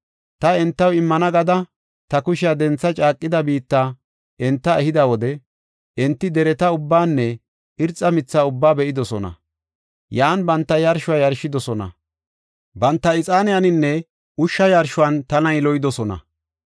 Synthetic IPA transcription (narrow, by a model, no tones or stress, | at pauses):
t̪ɐɛnt̪ːɐwɪmːɐnɐɡɐd̪ɐ | t̪ɐkʊʃɪjad̪ɛnt͡sːɐt͡ʃʼaːkʼːɪd̪ɐbiːt̪ːaː | ɛnt̪ːɐɛhɪd̪ɐwɔd̪ɛ | ʔɛnt̪ːɪd̪ɛɾɛt̪ɐʊbːaːnːɛ | ɪɾt͡sʼːɐmɪt͡sːaːʊbːaːbɛʔɪd̪ɔsɔnɐ̰ | jaːnbɐnt̪ːɐjɐɾʃʊwaːjɐɾʃːɪd̪ɔsɔnɐ̰ | bɐnt̪ːɐɪt͡sʼaːnɪjanɪnːɛ | ʊʃːɐjɐɾʃʊwant̪ɐnɐjlɔjɪd̪ɔsɔnɐ̰